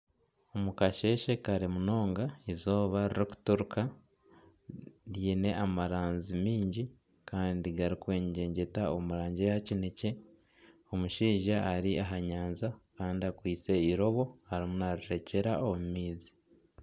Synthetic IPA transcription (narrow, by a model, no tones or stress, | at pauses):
o̞mukaʃe̞ːʃe̞kaɾimuno̞ːŋɡaezo̞ːβaɾiɾiku̥tuɾuka | ɾjiːne̞ʔamaɾaːnzimiːɲɟi | kaːndiɡaɾikwe̞ːɲɟe̞ːɲɟe̞taomuɾaːɲɟejacine̞ce̞ | o̞muʃiːʒaːɾiaɦaɲaːnzakaːndiakwiːt͡se̞iɾo̞βo̞haɾimunaɾiɾe̞ce̞ɾaomumiːzi̥